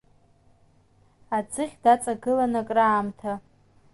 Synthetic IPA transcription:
ad͡zɨχʲdat͡sʼaɡɨlanakʼraːmtʰa

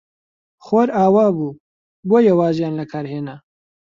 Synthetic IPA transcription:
xoɾaːwaːbuː | bojawaːzjaːnlɐkʰaːɾheːna

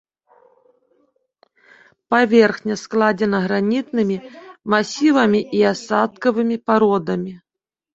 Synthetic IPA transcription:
pavʲɛrxnʲɐsklˠad͡zʲɛnɐɣɾanʲit̪nɨmʲimasʲivɐmʲiʔiasat̪̚kɐvɨmʲipaɾɔd̪ɐmʲi

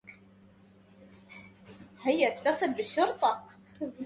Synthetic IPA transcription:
hɪjːæt̪ːɑsˤɨlbəʃːʊɾt̪ˤɑ

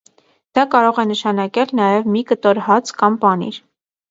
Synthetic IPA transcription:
d̪̥ɑkɑɾɔʁɛnəʃɑnɑkɛlnɑjɛvmikət̪ɔɾhɑt͡skɑmpɑnḭɾ

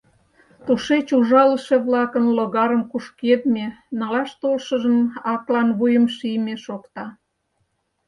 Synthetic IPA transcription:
t̪uʃet͡ɕuʒɑləʃeβlɑkənloɣɑɾəmkuʃked̪menɑlɑʃt̪olʃəʒəmɑklɑnβujəmʃijmeʃokt̪ɑ

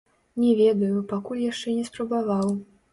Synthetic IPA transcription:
nʲɛvʲɛd̪ɐjupakulʲjaʂt͡ʂɛnʲɛspɾɐbavaw

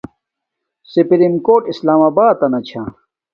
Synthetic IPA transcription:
sipɾimkoːʈislaːmaːbaːt̪ɐnɐt͡ɕʰa

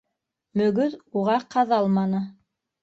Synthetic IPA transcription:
mɵ̆ɡɵðuʁɑqɑðɑlˠmɑnɤ

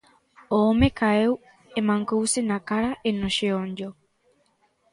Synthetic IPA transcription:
oːmekaew | emãŋkowsenakaɾaʔenoʃeoɲd͡ʒo

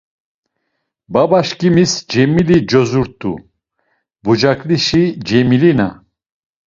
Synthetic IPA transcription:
babaʃkʼimisd͡ʒɛmilid͡ʒɔzuɾt̪ʼːṵ | bud͡ʒakʼliʃid͡ʒɛmilina̰

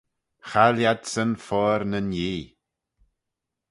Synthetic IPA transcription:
xaljadsənfɔɾnənjiː

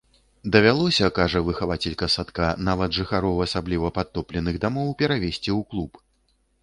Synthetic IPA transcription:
d̪ɐvʲalˠɔsʲɐkaʐɐvɨxavat͡sʲɛlʲkɐsat̪kanavɐd̪ʐɨxaɾɔwɐsablʲivɐpat̪ːɔplʲɛnɨɣd̪amɔwpʲɛɾavʲɛsʲt͡sʲiwklˠup

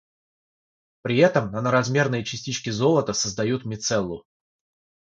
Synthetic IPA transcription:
pɾʲɪɛt̪əmnənəɾɐzmʲe̞rnəjət͡ɕɪsʲtʲit͡ɕkʲɪzo̞lˠət̪əsəzd̪ɐjut̪mʲɪt̪sɛlˠːʊ̰

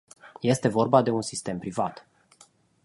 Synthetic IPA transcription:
je̞st̪e̞vo̞rbad̪e̞unsist̪e̞mpɾivat̪

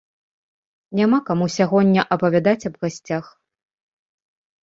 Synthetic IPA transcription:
nʲamakamusʲaɣɔnʲːɐʔɐpɐvʲad̪at͡sʲɐbɣasʲt͡sʲax

